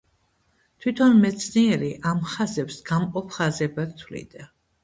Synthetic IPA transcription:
t̪ʰwit̪ʰɔnmɛt̪sʰniɛɾiʔamχazɛpsɡ̥amqʼɔpʰχazɛbat̪t̪ʰwlḭd̪a

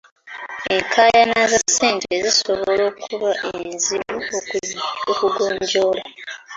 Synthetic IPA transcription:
eŋkʰajanazaseːntezisoβo̞loːkʰuβaʔeziβuookuɡoːɲɟo̞ːla

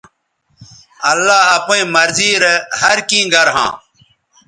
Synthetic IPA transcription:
ɐlːaːɦɐpõĩmɐɾziːɾehɐɾkĩːɡɐɾɦã̰ː

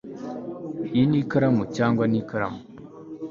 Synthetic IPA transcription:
inikəɾamːut͡ʃaŋɡʷanikəɾa̰m

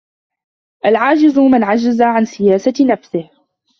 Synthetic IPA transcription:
ʔalʕaːd͡ʒɪzmanʕad͡ʒazaʕansɪjaːsanafsɪh

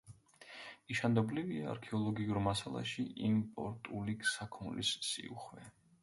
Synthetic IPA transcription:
iʃand̪ɔbliviaa̰ɾkʰɛɔlˠɔɡiuɾmasalˠa̰ʃiʔimpʼɔ̰ɾt̪ʼuliksakʰmlḭssḭṵχwɛ

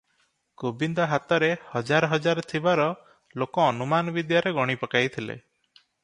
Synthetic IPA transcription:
kobind̪ɔɦat̪ɔɾehɔd͡ʒaɾɔɦɔd͡ʒaɾɔt̪ʰibaɾɔ | lokɔːnumanɔbid̪jaɾeɡɔɽ̃ipɔkajt̪ʰilḛ

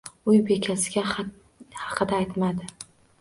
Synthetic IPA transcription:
ʊjbe̞kʲʰasɪɡʲa | hɑqʰɨd̪aːjt̪mad̪ɪ

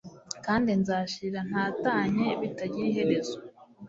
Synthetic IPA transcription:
kaːndinzaːʃiɾan̥haːtaːɲe̞βitaɟiɾiɦe̞ɾe̞zo

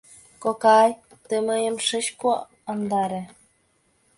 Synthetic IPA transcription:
kokɑjt̪əməjəmʃət͡ɕko | ɑnd̪ɑɾĕ

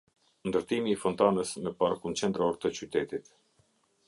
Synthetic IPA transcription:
nd̪əɾt̪imiːfɔnt̪anəsməpaɾkunt͡ʃɛnd̪ɾɔɾt̪ət͡ʃyt̪ɛt̪it̪

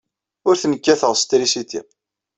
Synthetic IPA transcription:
ʊɾθənəkːæθəʁst̪ɾisit̪ḭ

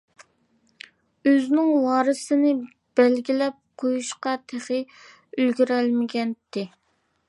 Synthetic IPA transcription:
øznɪŋwɑːɾɨsɨnɪ | b̥ɛlɡʲilɛp̚qʰojuʃqɑt̪ʰeχɪ | ylɡʲyɾɛlmɪɡʲɛnt̪ʰːɪ

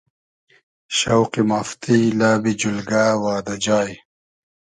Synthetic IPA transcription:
ɕɐwqimaft̪ilaːbid͡ʑulɡaːwaːd̪ad͡ʑaːj

